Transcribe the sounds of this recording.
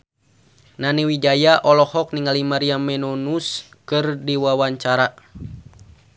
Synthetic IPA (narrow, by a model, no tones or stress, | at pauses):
naniwid͡ʒajaʔɔlɔhɔk̚niŋalimaɾiamɛnonuskɨrdiwawaɲt͡ʃaɾa